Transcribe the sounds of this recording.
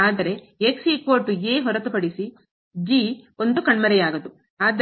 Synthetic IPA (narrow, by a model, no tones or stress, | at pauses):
aːd̪ɐɾe̞ | eksikoːʈueːɦɔɾɐt̪upɐɽisi | d͡ʒio̞nd̪ukɐɳmɐɾɛjaːɡɐd̪u | aːd̪